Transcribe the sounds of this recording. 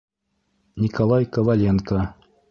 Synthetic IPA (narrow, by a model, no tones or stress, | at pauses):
nʲikolˠɑjkəvalʲenkə